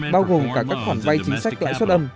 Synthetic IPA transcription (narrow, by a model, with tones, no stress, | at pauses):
ɓaː˧wɣo˨˩mkaː˧˩kaː˦˥k̚fwaː˧˩nva˧jt͡ɕï˨˦ŋ̟sa˦˥jk̟̚la̰ː˧˨jswə˦˥t̚ʔə˧m